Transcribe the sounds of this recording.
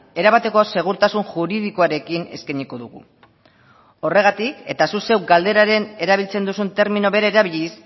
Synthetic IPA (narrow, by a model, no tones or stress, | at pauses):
e̞ɾaβat̪e̞kose̞ɣ̞uɾt̪asunʝuɾiðiko̞aɾe̞kine̞̰skaɲiko̞ðuɣ̞ṵ | o̞re̞ɣ̞at̪ike̞t̪asuse̞wɡald̪e̞ɾaɾe̞ne̞ɾaβ̞ilt͡se̞nd̪usunt̪e̞ɾminoβe̞ɾaeɾaβiʎis